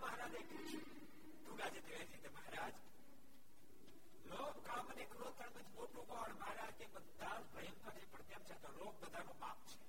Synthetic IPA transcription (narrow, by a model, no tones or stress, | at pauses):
məɦɾaːd͡ʒeput͡ʃʰu | ʈuɡad͡ʒed̪eʋeɾit̪eməɦɾaːd͡ʒ | loːɡkaːmənekɾot̪ʰəɳməd͡ʒmoʈukɔːɳməɦɾaːd͡ʒkebənːalpɾɐjəmpʰəɾepəɾt̪jamt͡ʃʰat̪oloɡ̚bəd̪ʱanoma̰p̚t͡ʃʰe̥